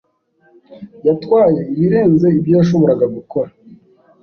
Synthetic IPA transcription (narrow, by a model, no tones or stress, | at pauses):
jatwaːje̞iβiɾeːnze̞ibjaːʃ̬oβoɾaɡaβikoɾa